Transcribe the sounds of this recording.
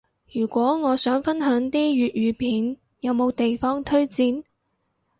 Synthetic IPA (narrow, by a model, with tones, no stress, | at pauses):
jyː˨˩kʷɔː˨˥ŋɔː˨˧sœː˨˥ŋfɐ˥nɦœː˨˥ŋt̪iː˥jyː˨t̚jyː˨˧pʰiː˨˥n | jɐ˨˧wmo˨˧wt̪e˨jfɔː˥ŋt̪ʰɵ˥ɥt͡siː˧n